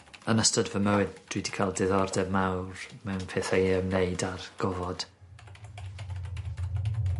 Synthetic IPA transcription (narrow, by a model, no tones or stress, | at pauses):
ənəstɔdvəməwɨdd̥widi̥kʰalˠdɪðɔrdɛvmawrmɛwnpʰeːθaeəmnejdarɡ̥ɔvɔd̥